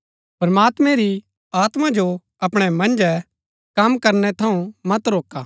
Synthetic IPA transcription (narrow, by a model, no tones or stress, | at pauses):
pɾɐmaːt̪mɛ̃ɾi | aːt̪mãd͡ʒo | ɐpɽ̃ɛmɐ̃nd͡ʒɛ | kɐmkɐɾnɛt̪ʰɐũmɐt̪ɾoːka